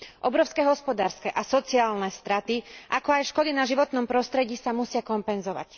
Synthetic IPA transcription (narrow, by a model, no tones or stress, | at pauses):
ʔɔbɾɔʊskɛɦɔspɔd̪aːɾskɛʔasɔt͡siaːlnɛst̪ɾat̪iʔakɔajʃkɔd̪inaʒiʋɔt̪nɔmpɾɔst̪ɾɛɟiːsamusɪakɔmpɛnzɔʋa̰c